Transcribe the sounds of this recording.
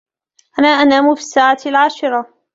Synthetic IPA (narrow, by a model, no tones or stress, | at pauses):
ʔanaːʔanaːmʊfi̥sːaːʕaːalʕaːʃɪɾˤɑ